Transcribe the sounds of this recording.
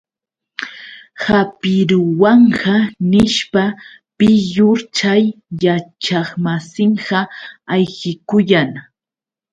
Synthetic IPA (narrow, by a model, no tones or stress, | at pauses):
hapɪɾʊwɑɴɢɑnɪʃpa | pɪjʊɾt͡ʃajːat͡ʃɑχmasɪɴɢɑajɢɪkʊjaŋ